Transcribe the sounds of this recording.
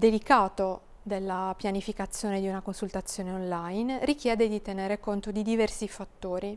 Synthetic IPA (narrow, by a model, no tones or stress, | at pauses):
d̪elikaːt̪o | d̪elːapjanifikat̪sːjoːned̪iunakonsult̪at̪sːjoːneonlajnrik̟jɛːd̪ed̪it̪eneːɾekont̪od̪id̪ivɛrsifat̪ːoːɾi